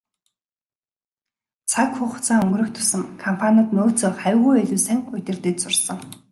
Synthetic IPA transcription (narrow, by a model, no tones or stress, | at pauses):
t͡sʰakxʊːχʊ̥t͡sʰaːŋɵŋɡɵ̆rɵ̆kt̪ʰʊ̥sə̆ŋkʰɔmpʰanʲaːt̪noːt͡sɵ̆ːχæwʲɣuːeɮuːsæŋɵt̪ʲɪ̆rt̪ĕːt͡sʊrsə̆ŋ